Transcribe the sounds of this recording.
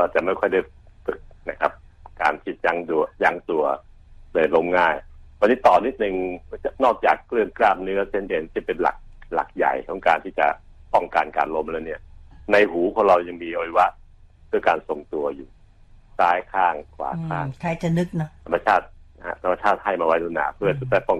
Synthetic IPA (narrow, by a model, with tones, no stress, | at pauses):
waː˧˩t͡ɕa˨˩ʔma˥˩jkʰɔ˥˩jda˥˩jfɯ˨˩k̚na˦˥kʰa˦˥p̚ka̰ː˧nt̪ʰi˦˧˩t̪̚ja˧˥ŋdu˧ja˦˥ŋt̪u˧ɐ | dɤː˧˩nlo˧mŋaː˥˩jwniː˦˥t̪ɔː˨˩ni˦˥t̪̚nɯ˨˧ŋa˧nɔː˥˩k̚t͡ɕaː˨˩kːlɯ˥˩mkɾaː˥˩p̚nɯ˦˥ɐt͡ɕʰe˥˩nʔeː˧˩nt̪ʰiː˥˩pe˧nla̰˨˩k̚la̰˨˩k̚ja̰˨˩jkʰɔ˨˩˦ŋkaː˧nt̪ʰiː˥˩t͡ɕa̰˨˩ | pɔ˥˩ŋka˧nka̰ː˧nlo˧˥mlɛː˦˥wni˥˩ɐna˧jɦuː˩˦kʰɔ˧˦ŋɾa˧wja˧ŋmiː˧ʔo˧i˧wa˦˥ʔ | pʰɯ˥˩ɐkaː˧nso˨˩ŋt̪u˧ɐjuː˨˩ | saː˦˥jkʰaː˥˩ŋkʰwa̰ː˨˦kʰa̰ː˥˩kʰa˧jt͡ɕa˨nɯ˦˥k̚n˦˥t̪ʰa˧mːa˧t͡ɕʰaː˥˩t̪̚ha̰˦˧˥t̪ʰa˧mːa˧t͡ɕʰaː˥˩t̪̚ha˥˩jmaː˧wa˦˥jd̪oː˧˦naː˩˦pʰɯ˥˩ɐt̪ʰu˦t̪t̪aː˥˩pɔ˥˩